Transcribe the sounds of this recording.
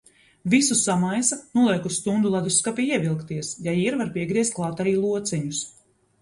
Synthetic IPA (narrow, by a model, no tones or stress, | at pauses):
visusamajsanuɔlˠiɛkust̪und̪ulˠad̪uskapʲiiɛvilˠkt̪iɛsjajiːɾvaɾpiɛɡɾiɛst̪̚klˠaːt̪aɾiːlˠuɔt̪sɛɲus